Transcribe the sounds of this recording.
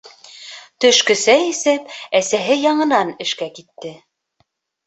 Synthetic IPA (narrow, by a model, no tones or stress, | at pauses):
t̪ɵ̆ʃkɵ̆sæjisɘpæsæɦɘjɑɴɤ̆nɑnɘ̆ʃkækit̪ːɘ